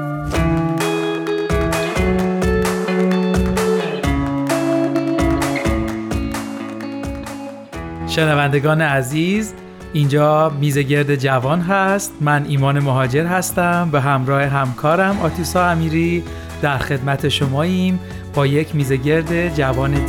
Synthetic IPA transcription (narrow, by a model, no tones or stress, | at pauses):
ʃe̞nævænd̪e̞ɡɒːneæziːz | ʔind͡ʒɒːmiːze̞ɟe̞ɾd̪e̞d͡ʒævɒːnɦæst̪mæniːmɒːne̞moɦɒːd͡ʒe̞ɾɦæst̪æmbeɦæmɾɒːhe̞ɦæmkʰɒːɾæmɒːt̪ʰusɒːæmiːɾiː | d̪̥æɾxe̞d̪mæt̪ʰe̞ʃomɒːim | b̥ɒːjecʰmiːze̞ɟe̞ɾd̪e̞d͡ʒævɒːne